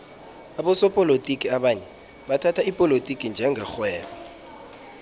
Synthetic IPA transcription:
aɓɔsɔpʼɔlotʼikʼiaɓaɲɛ | ɓatʰatʰaipʼɔlotʼikʼind͡ʒʱɛŋʱɛxwɛːɓɔ

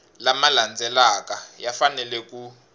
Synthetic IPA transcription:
lamaland͡zʱɛlak̬ajafanɛlɛk̬u

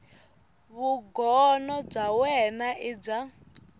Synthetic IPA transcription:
βuɡɔnɔb͡ʐawɛnaʔib͡ʐa

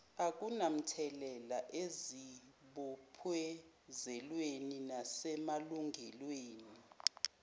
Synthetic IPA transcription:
ak̬unam̩tʰɛlɛlaʔeziɓɔpʰwɛ | zɛlweninasɛmaluŋɛlweːni

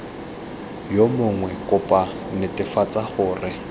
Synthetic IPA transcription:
jomʊŋwɛkʼʊpʼa | nɪtʼɪfat͡sʼaχʊːrɪ

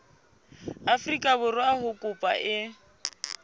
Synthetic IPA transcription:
afrikʼabʊrʊahʊkʼʊpʼa̰ʔɪ

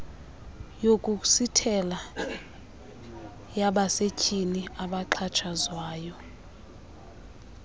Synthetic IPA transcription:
jokʼuk̬ʼu̥sitʰɛla | jaɓasecʼiniaɓaǃʰat͡ʃʰazwaːjɔ

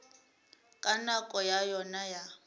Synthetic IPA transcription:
kʼanakʼɔjajɔnaja

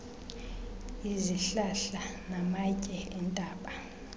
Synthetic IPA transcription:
iziɬaɬanamacʼɛɛntʼaːɓa

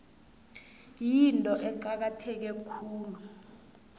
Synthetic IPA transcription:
jintʼɔʔɛǃak̬atʰɛk̬ɛkʰuːlu

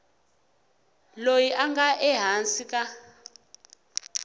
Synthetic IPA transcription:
lojiʔaŋɡaʔɛɦansikʼa

